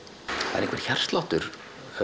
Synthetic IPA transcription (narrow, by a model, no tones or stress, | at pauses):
hað̰ɪ̰ɾẽŋkvɛɾ̥çar̥st̪lawht̪ʏɾ